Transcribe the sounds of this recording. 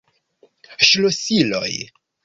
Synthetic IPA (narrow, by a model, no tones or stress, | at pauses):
ʃlosilo̰j